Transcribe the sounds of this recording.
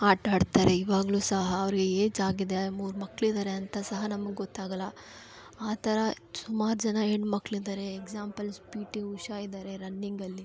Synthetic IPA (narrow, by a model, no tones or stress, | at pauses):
aːʈaːɖt̪aːɾe̞iːʋaːɡɐɭuːsɐɦɐːʋɐɾiɡe̞eːd͡ʒaːɡid̪emuːɾmɐkːɭid̪aːɾeɐnt̪ɐsɐɦɐnɐmɐɡeɡɔt̪ːaːɡɐlːɐ | aːt̪ʰɐɾɐ | sumaːɾd͡ʒɐnɐeɳɖmɐkːɭid̪aːɾe̞ːkzaːmpɐlspiːʈiuʃaid̪aːɾe̞ɾɐnːiŋɡɐlːi